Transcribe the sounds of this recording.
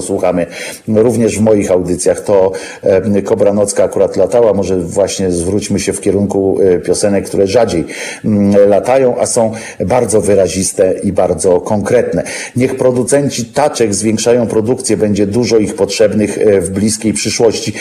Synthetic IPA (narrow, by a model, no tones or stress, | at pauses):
ɔswuxamɘ | ɾuvɲɛʐvmɔjixawd̪ɘt̪sʲjaxt̪ɔ | kɔbɾanɔt̪skaːkuɾat̪lat̪awamɔʐɛvwaɕɲɛzvɾut͡ɕmɘɕɛfkʲɛɾuŋkupʲjɔsɛnɛkkːt̪uɾɛʐad͡ʑej | lat̪ajɔ̃w̃ʔasɔ̃w̃ | baɾd̪zɔvɘɾaʑist̪ɛibaɾd̪zɔkɔŋkɾɛt̪nɛɲɛxpɾɔd̪ut̪sɛɲt͡ɕit̪at͡ʂɛɡzvʲjɛ̃ŋkʂajɔ̃w̃pɾɔd̪ukt̪sʲjɛbɛɲd͡ʑɛd̪uʐɔixpɔtʂɛbnɘxvblʲiskʲejpʂɘʂwɔɕt͡ɕi